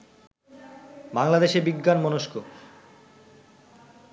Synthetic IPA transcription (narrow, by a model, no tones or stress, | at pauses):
baŋlad̪eʃebiɡːanmɔnoʃko